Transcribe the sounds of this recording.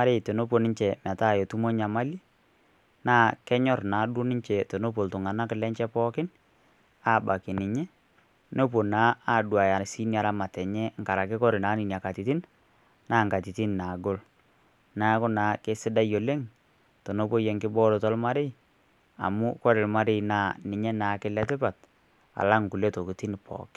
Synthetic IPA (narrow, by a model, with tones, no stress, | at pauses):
a˦ɾe˦˨to˨no˦p̬o˨nɪ˦ɲt͡ʃɛ˨ma˨ta˦˨jo˨tu˦mo˦ɲa˨ma˦li˦ | naː˦kɛ˦ɲɔ˦rnaː˨˦dʊ˦nɪ˦ɲt͡ʃɛ˨to˨no˦p̬o˨ltʊ˨ŋa˨na˦kɪ˨lɛ˦t͡ʃɛ˦pɔ˦kɪ˦n | a˦˨ba˨kɪ˨nɪ˨ɲɛ˦ | no˦p̬o˨naː˦a˦˨dwa˨ja˨si˦nia˨ɾa˦ma˨tɛ˨ɲɛ˦ŋka˨ɾa˨kɪ˦kɔ˦ɾɪ˨na˨˦ni˨nja˨ka˨ti˨ti˦n | naː˨˦ŋka˨ti˨ti˦nna˨ɡo˦l | naː˨˦kʊ˦naː˨kɪ˦sɪ˦da˦jo˨le˦ŋ | to˨no˦po˦je˨ŋkɪ˦bɔ˦ɾo˨tɔ˦lma˦ɾɪ˦i˨ | a̰˨mʊ˦kɔ˦ɾɪ˨lma˦ɾɪ˦naː˦nɪ˨ɲɛ˦naː˨kɪ˦lɛ˦tɪ˦pa˨t̚ | a̰˨la˦ŋ˨ku˨le˦to˨ki˨ti˦n˨pʰɔ̰ː˨k